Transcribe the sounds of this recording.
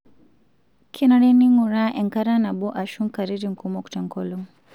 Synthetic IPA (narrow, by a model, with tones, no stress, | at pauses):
kʰi˦naɾɛ˦ni˦ŋu˨ɾa˦ʔɛ˨ŋka˦ɾa˦na˨bɔ˦ʔa˨ʃu˦ŋka˨ɾi˦ɾi˦ŋ̩˨ku˦mɔ˦ku̥˨ta˨ŋkɔ˨lɔ˦ŋ